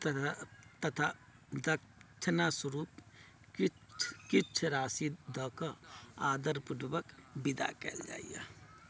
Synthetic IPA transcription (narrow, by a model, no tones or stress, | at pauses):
t̪t̪ət̪ʰa | d̪ək | t͡ʃʰnasəɾuːp | ki | t͡ʃʰkit͡ʃʰɾaːsid̪ɔkəaːd̪əɾpuɖbəkbid̪a̰kɛ̰ld͡ʒa̰ːija̰